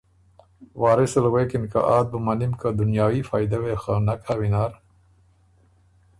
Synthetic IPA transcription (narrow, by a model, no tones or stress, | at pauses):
waːɾesɐlɣeːkinka̰ʔaːd̪̚bumɐnimkad̪unjaːwiːfaːjd̪ɐwexanɐkawinaːɾ